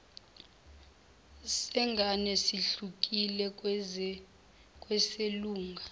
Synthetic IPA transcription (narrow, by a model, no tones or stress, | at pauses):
sɛŋɡʱanɛsiɬuk̬ʼilɛ | kʼwɛseluːŋɡʱa